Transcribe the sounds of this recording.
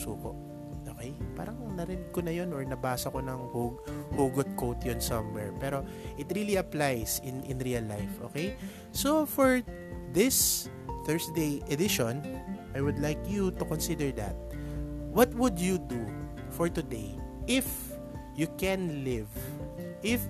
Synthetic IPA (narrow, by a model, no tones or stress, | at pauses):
suːko̰ʔ | ʔoːkɛjpa̰ːɾɐŋnɐɾɪnɪɡ̚konɐjonɔɹnɐbaːsɐkonɐŋhuhuːɡʊt̪̚kowt̪jonsɐmːɛɹpɛːɾo̞ | ʔɪt̪ɾiliɐplajsɪnʔɪ̃nɾiɐlːajfʔo̰ːkej | sofɔɹ | ðɪs | θɛɹsd̪ejʔɛd̪ɪʃõnʔajwʊd̪lajkjut̪ʊkɔnsɪd̪ɛɹd̪ɐ̰t̪̚wʌt̪wʊd̪jud̪u | fɔɹt̪ʊd̪ejʔɪf | jukɛ̃nlɪvʔɪf